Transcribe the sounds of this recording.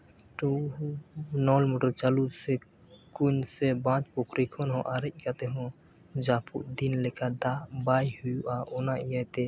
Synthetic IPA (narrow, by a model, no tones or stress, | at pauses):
ʈu | nɔlmuʈəɾt͡ʃalud̪sɛ | kuɲsɛbãt͡ʃpɔkʰɾikʰɔnɦɔ̃ʔaɾɛc̚ˀkat̪ɛɦɔ̃ | d͡ʒapʰuʔd̪inlɛkad̪abajhujuʔaɔnaijajt̪ɛ